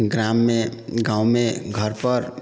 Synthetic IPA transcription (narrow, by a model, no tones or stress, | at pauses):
ɡɾamːeɡãːumẽɡʱəɾpəɾ